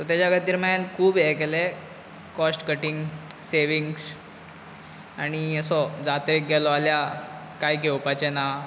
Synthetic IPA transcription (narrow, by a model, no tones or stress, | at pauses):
t̪ɔt̪jat͡ɕaɡət̪iɾmajankʰuːbɛkɛle | kɔsʈkəʈiŋɡseʋiŋɡs | aɽ̃iəsɔd͡zat̪əɾik̚ɡɛlɔalja | kajkewpat͡ɕena